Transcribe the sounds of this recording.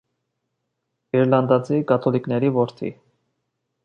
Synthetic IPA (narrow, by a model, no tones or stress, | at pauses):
ɡɛɾlɑnd̪ɑt͡sʰikɑt̪ʰɔliknɛɾivɔɾt̪ʰḭ